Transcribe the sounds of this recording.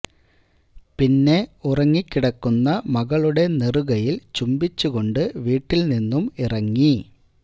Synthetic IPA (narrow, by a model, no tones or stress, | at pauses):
pinːe̞urɐŋːikːiɽɐkːunːɐmɐɣɐɭuɽe̞neruɣɐjilt͡ɕumbit͡ɕːuɣo̞ɳɖɨʋiːʈːilninːumirɐŋːi